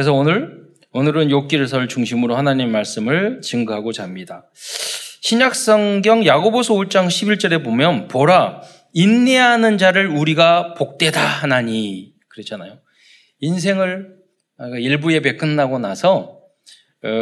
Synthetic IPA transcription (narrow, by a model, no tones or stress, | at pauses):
kɯɾes̬ʰʌonɯɾ | onɯɾɯnjok̚k͈iɾɯɭs̬ʰʌɭt͡ɕuŋɕʰimɯɾohanaɲimemːaɭs͈ɯmɯɭt͡ɕɯŋɡɯɦaɡot͡ɕamɲida | ɕʰiɲak̚s͈ʌŋɡjʌŋjaɡobosʰʌuɭt͡ɕ͈aŋɕʰibiɭt͡ɕ͈ʌɾe̞bomjʌnpʌɾa | inːeanɯnd͡ʑaɾɯɭuɾiɡapok̚t͈e̞daanaɲi | kɯɾʌt͡ɕʰanajo | ins̬ʰe̞ŋɯɭ | akaiɭbue̞pe̞k͈ʰɯnːaɡonasʰʌ